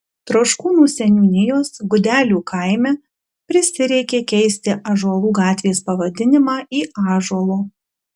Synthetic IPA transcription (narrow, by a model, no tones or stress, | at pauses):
t̪ɾoːʃkuːnuːsʲɛnʲuːnʲɪjoːsɡʊd̪ʲæːlʲuːkʰɐɪmʲɛ | pʲɾʲɪsʲɪɾʲɛɪkʲeːkʲɛɪsʲt̪ʲɪʔɐʒuɔlˠuːɡɑːt̪ʲʋʲeːspɐʋɐd̪ʲɪnʲɪmɑːiːɑːʒuɔlˠoː